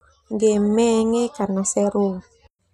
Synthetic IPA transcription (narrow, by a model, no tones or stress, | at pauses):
ŋɡemɛŋekanasɛɾu